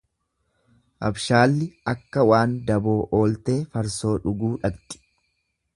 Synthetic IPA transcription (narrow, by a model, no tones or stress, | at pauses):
ʔɐ̰bʃaːlːɪɐkːɐwaːnd̪ɐbo̞ːʔo̞ːlt̪e̞ːfɐɾso̞ːᶑʊɡuːᶑɐɡt̪ʼɪ̥